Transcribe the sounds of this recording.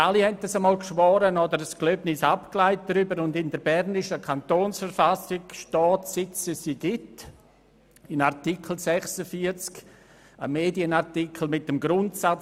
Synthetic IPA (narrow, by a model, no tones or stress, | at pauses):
ʔalihɛntasəmɔːlkʃʋɔːɾənɔdəɾəskløbnɪsapklaɪt̚dɾybəɾʊndɪndəɾbɛɾnɪʃəkʰantoːnsfəɾfasɪkʃtɔːtsɪt͡səsiɡ̥ɪt | ɪnartikʰl̩sɛχsəfiət͡sk | ə̰meːdiənaɾtikʰl̩mɪtːəmɡɾʊntsat͡s